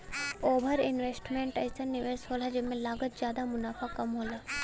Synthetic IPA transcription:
obʱɐɾinʋesʈmeɳʈɐjsʰənːiʋeːsɦolad͡ʒemːelaːɡət̪̚d͡ʒjaːd̪amunaːfʰakɐmɦola

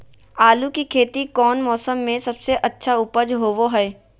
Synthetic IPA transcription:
aːlukikʰeːt̪ikɔːnmɔːsəmːẽsɐbseʔɐtːʃʰaʊpəd͡ʒɦoːʋoɦɛː

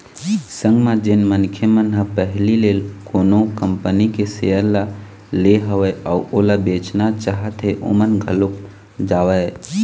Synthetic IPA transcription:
sə̃ŋɡmãd͡ʒenmənkʰemənɦə̃pəɦlilelkoːnokəmpənikesejəɾla | leɦəʋɛauʔolabet͡ʃnat͡ʃaɦət̪ɦeʔo̰mənɡʱəlok̚ | d͡ʒaːwə

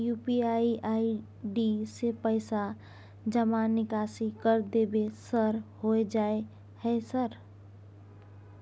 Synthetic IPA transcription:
jupiaiʔai | ɖisepəɪsa | d͡ʒəmanɪkasikəɾd̪ebesəɾhoed͡ʒaːe | hɛsəɾ

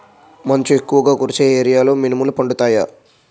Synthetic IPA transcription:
mɐɲt͡ʃuekːuʋɐɡaːkuɾit͡ʃeːeːɾijaːlo̞ːminimɐlːupɐɳɖut̪aːja̰

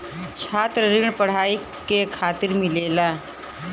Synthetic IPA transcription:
t͡ʃʰaːt̪ɾəɾɪɳ̃pəɽ̤aːi | kekʰaːt̪ɪɾmɪleːlaː

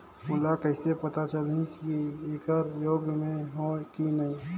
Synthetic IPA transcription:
mʊlakɐɪsepɐt̪at͡ʃəlɦĩkieeːkəɾjoːɡmẽɦokinɐĩ

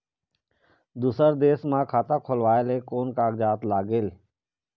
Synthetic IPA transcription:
d̪uːsəɾd̪eːsmãːkʰaːt̪ãːkʰoːlʋaːeleːkoːnkaːɡd͡ʒaːt̪laːɡeːl

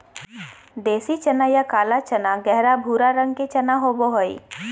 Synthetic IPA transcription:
d̪eːsit͡ʃɐnajakaːlat͡ʃənaɡɛɦɾabʱuːɾaɾə̃ŋɡ̚ket͡ʃɐnaɦoboɦoḭ

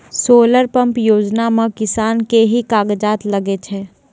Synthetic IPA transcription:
soːləɾpə̃mpjoːd͡ʒnamẽkɪsaːnkeɦikaːɡd͡ʒaːt̪ləɡet͡ʃʰɛː

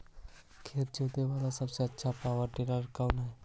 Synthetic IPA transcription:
kʰeːt̪̚d͡ʒoːt̪eʋaːlasɐbseɐtːʃʰapaːʋəɾʈɪɾaɾkaʊnɦɛː

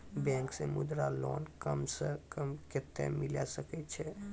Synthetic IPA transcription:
bɛ̃ːŋksemʊd̪ɾaloːnkəmsəkəmkɪt̪ːḛmɪlasəkɛt͡ʃʰɛ

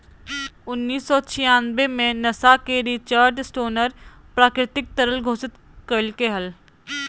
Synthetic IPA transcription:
ʊnːiːsːɔːt͡ʃʰɪjãːnbemẽnɐsakeɾiːt͡ʃaːɾɖsʈoːnəɾ | pɾaːkɾɪt̪ɪk̚t̪əɾəlɡʱoːsɪt̪ | kəlkeɦɐl

